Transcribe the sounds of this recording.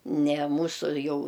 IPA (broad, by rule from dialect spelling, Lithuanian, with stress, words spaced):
nʲɛ ˈmuːsʊ ˈjɛʊ